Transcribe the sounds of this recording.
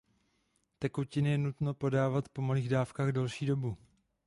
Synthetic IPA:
t̪ɛkucɪnɪjɛnut̪no̞po̞daːvat̪po̞maliːɣdaːfkaːɣdɛlʃiːdo̞bu

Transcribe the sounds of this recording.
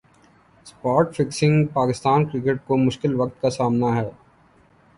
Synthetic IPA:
spaːɾʈfɪksɪ̃ŋɡpaːkɪst̪aːnkɾɪk̬eʈ̚komʊʃkɪlʋɐkt̪kasaːmnaɦɛː

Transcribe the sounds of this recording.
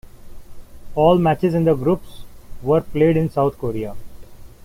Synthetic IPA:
ɔːlmæt͡ʃɪzɪ̃nd̪əɡɾuːpsʋəɾpleːɖɪ̃nsaʊt̪̚ʰkoːɾia

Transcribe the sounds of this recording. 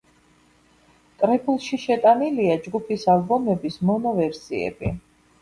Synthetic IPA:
k̪ʼɾɛpʰulˠʃiʃɛt̪ʼaniliad͡ʒɡupʰisalˠbɔmɛbismɔnɔvɛɾsiɛ̰bḭ

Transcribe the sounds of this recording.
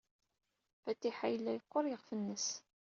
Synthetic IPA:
fæt̪ːiħajlːæjəqːoɾˤjəʁfənːəs

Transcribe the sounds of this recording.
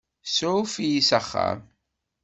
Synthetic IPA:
sfijisəχːa̰m

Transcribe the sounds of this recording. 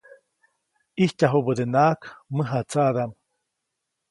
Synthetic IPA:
ihcaɦobəd̪enaːkmɨɦat͡sad̪am

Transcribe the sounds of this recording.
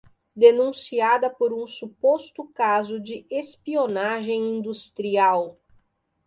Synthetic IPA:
d̪enũsiad̪ɐpoɾũsupost̪ʊkazʊd͡ʒɪespionaʒẽj̃ĩnd̪ust̪ɾiaw

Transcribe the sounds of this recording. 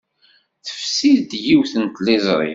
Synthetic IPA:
θə̥fsiðd̪jiwθənt̪lɪzˤɾˤḭ

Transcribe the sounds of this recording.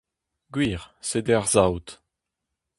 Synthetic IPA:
ɡwiːʁsed̪ɛʁzawt̪

